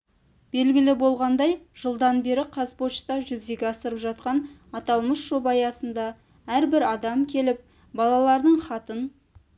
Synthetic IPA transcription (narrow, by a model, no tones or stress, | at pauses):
b̥e̞lɡʲɪlɪbo̞lˠʁɑnd̪ɑjʒ̥əlˠd̪ɑnbe̞ɾɪqʰɑzpo̞t͡ʃt̪ɑʒʏzd̪e̞ɡʲeɑst̪əɾəpʒɑt̪̚qɑnɑt̪ɑlˠməsʒ̥o̞bɑjɑsənd̪ɑ | æɾbɪɾɑd̪ɑmkʲʰe̞lɪp̚ | bɑlˠɑlˠɑɾd̪əɴχɑt̪ən